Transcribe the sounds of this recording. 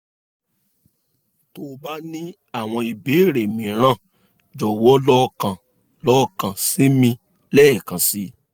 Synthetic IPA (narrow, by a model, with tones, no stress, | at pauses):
to˦ba˦nĩ˦ | a˦˨w̃ɔ̃˧i˨be˨˦˨ɾe˨mĩ˨˦ɾ̃ã˦˨ | d͡ʒɔ˨wɔ˨˦lɔ˦˧kã˨ | lɔ˦˧kã˨si˨˦mĩ˧ | lɛ˦ɛ˦˨kã˨si˨˦